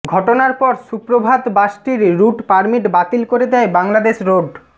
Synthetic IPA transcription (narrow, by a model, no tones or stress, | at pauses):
ɡʱɔʈonaɾpɔɾsupɾobʱad̪baʃʈiɾːuʈpaɾmiʈbat̪ilkoɾed̪ɛebaŋlad̪eʃɾoɖ